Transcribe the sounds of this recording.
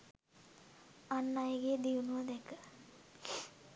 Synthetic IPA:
anːajəɡejəd̪ijunuʋəd̪ɛkə

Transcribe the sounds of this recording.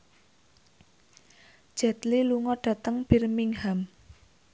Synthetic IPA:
ʒ̥ɛt̪liluŋɔɖ̥ä̤t̪əŋb̥i̤rmiŋham

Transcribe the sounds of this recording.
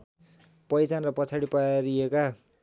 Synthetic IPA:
pʌjt͡sanrʌpʌt͡sʰaɽipaɾieka

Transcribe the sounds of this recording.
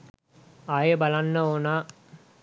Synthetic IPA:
ajəbalanːəoːna

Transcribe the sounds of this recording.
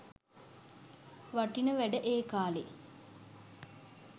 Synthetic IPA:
ʋaʈinəʋæɖəʔeːkaːle

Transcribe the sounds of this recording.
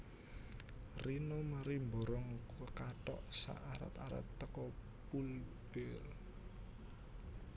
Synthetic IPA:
rinɔmaɾimbɔɾɔŋkkaʈɔʔsa̰ʔaɾa̰t̪aɾa̰t̪ːəkɔ | pulb̥ɛl

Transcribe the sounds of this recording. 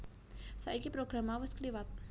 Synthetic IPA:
saikipɾoɡɾamawəskliwat̪̚

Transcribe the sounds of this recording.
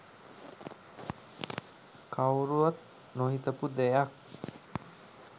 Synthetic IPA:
kawɾuat̪̚ | noɦit̪əpud̪ɛjak̚

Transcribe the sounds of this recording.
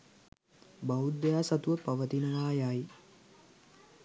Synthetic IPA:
baud̪ːejaːsat̪uʋəpaʋət̪inəʋaːjaji

